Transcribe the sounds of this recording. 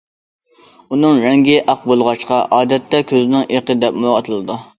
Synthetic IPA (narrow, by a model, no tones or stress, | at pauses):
unɨŋɾɛŋɡʲɪʔɑq̚bolˠʁɑʃqɑʔɑːd̪ɛt̪ːɛkʲʰøzɪnɪŋeqəd̪ɛpmoʁɑt̪ʰɨlˠɨd̪u